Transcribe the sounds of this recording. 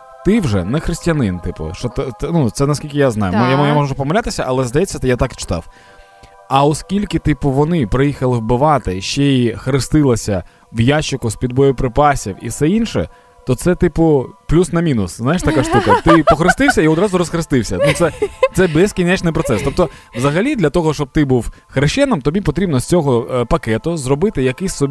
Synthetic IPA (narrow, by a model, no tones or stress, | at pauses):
t̪ɪwʒɛ̰nɛxɾɪsʲtʲjɐnɪnt̪ɪpʊ̰ʃɔt̪nut̪sɛnɐskʲilʲkʲɪjaznɑ̰jʊmjajamɔʒʒʊpɔmɐlʲat̪ɪsʲɐʔɐlˠɛzd̪ɐjɛt͡sʲːɐt̪ɪjat̪ɑkt͡ʃɪ̥t̪ɑ̰w | ɐɔskʲilʲkɪt̪ɪpʊʋɔnɪpɾɪjixɐlˠɪwbɪʋɑt̪ɪʃt͡ʃɛixɐɾɪst̪ɪlˠɐsʲɐ | ʋjat͡ʃːɪkʊspʲid̪̚bɔjʊpɾɪpɑsʲiwḭfsɛinʃɛ̰ | t̪ɔt̪sɛt̪ɪpʊplʲusnɐmʲinʊsznajʃt̪ɐkaʂt̪ukɐt̪ɪpɔxɾɪst̪ɪwsʲɐiɔd̪ɾɑzʊɾɔsxɾɪst̪ɪwsʲɐnut̪sɛt̪sɛbɛskʲinʲɛt͡ʃnɪjpɾɔt̪sɛst̪ɔp̚t̪ɔ | ʋzɐɦɐlʲid̪lʲɐt̪ɔɦɔʃt͡ʃɔb̚t̪ɪbuw | xɾɪʃt͡ʃɛnɪmt̪ɔbʲipɔt̪ɾʲibnɔsʲt͡sʲɔɦɔpɐkɛt̪ʊzrɔbɪt̪ɪjɐkɪsʲsɔbʲ